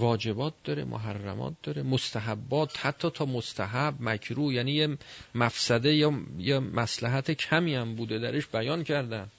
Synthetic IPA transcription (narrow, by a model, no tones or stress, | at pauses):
vɒːd͡ʒe̞bɒːt̪̚d̪ɒɾe̞̰mʔo̰ɦærːæ̰mɒ̰ːt̪̚d̪̥ɒɾe̞most̪ʰæɦæbːɒːt̪hæt̪ʰːɒːt̪ʰɒːmost̪ʰæɦæbmækʰɾuːjæːniːjemæfsæd̪e̞jɒjemæslæɦæt̪ʰekʰæmiːæmbuːd̪e̞d̪æɾeʃbæjɒːnkʰæɾd̪æm